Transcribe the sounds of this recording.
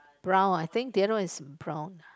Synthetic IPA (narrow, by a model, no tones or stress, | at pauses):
b̥ɹãʊ̃naɪθɪ̃ŋk̚dɛɾɪsbɹõʊ̃n